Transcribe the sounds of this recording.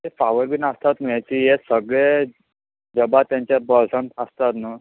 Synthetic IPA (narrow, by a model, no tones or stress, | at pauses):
efaʋəɾbinəst̪at̪nəjat͡ɕijesəɡɭe | d͡ʑəbat̪jãɲt͡ɕabəlsəɳəst̪at̪nə